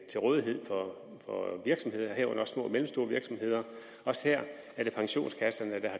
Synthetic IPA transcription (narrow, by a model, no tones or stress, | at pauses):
t͡sʰe̝lʁɔːðˠiɦe̝ð̞̰ˠfɒ̽ | fɒ̽ʋiɐɡ̥sɒ̽mhe̝ð̞̰ˠɐɦeɐ̰ɔ̽n̰ɐɒsmɔ̰̽ːmelm̩sd̥o̝ːɐʋiɐɡ̥sɒ̽mɦe̝ð̞̰ˠɐ | ɒ̽sə̥heɐ̰ | æɐɾ̥e̝pʰɑ̈ŋɕo̝̰ːnskʰæsɐnəæd̥ehɑ̈